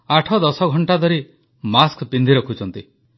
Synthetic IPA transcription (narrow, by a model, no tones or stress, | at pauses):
aʈʰɔd̪ɔsɔɡʱɔɳʈad̪ʱɔɾi | maskpind̪ʱiɾɔkʰut͡ʃɔnt̪i